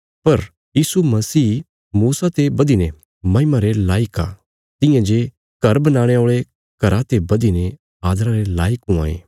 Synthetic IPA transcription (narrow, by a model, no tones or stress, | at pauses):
pɐɾ | jiːsumɐsiː | muːsat̪ebɐd̪ine | mɐ̃ɪmaɾelaːɪka̰ː | t̪ɪ̃jãd͡ʒe | ɡ̥ɐɾbɐnãːɽ̃eoːɭe | kɐɾat̪ebɐd̪ine | aːd̪ɾãɾelaːɪkũa̰ːḛː